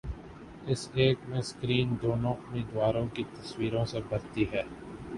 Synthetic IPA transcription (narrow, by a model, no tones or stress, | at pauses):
ɪseːkmẽskɾiːnd̪oːnõʔʊmeːd̪ʋaːɾõkit̪ɐswiːɾõsebʱɐɾt̪iɦɛː